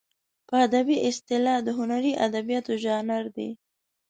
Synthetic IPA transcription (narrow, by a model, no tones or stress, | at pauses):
pəad̪abiʔɪst̪ɪlɑd̪əɦʊnaɾiʔad̪abijɑt̪oʒɑnaɾd̪ḛ